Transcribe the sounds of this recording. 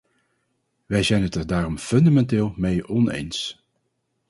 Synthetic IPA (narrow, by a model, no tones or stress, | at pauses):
ʋɛjzɛjnɦətɛɹdaːrɔmfɵndamɛntɪːlˠmejɔnḛjns